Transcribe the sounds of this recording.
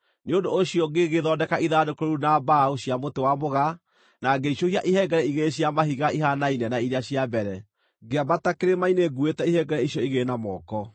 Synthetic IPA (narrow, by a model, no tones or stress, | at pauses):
neondooɕiɔɡeɣeðɔdɛkaʔiðadokounabaoɕjamotewamoɣa | naɡeiʃohiaʔihɛɡɛɾɛiɣeɕjamaɦiɣaiɦanainɛnaiɾeaɕiabɛɾɛ | ɡeabatakeɾemaineɡuetɛiɦɛɡɛɾɛiɕjɔiɣenamɔːkɔ